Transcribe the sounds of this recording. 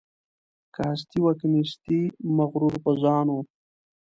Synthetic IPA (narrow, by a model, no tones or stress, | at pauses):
kast̪iwakniʃt̪imaɣɾuɾpəzɑːnu